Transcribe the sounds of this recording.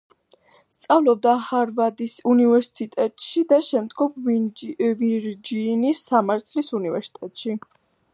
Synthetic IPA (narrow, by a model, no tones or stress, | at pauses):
st̪sʼavlˠɔb̚d̪ahaɾvad̪isunivɛɾsi̥sit̪ʼɛt̪ʼʃid̪aʃɛmd̪ɡɔp | viɾd͡ʒinisːamaɾt̪ʰlisunivɛɾsi̥t̪ʼɛt̪ʼʃi